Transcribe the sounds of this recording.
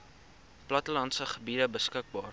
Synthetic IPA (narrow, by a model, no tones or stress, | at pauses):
plɐtəlɐntsəχəbidəbəskək̚bɑːr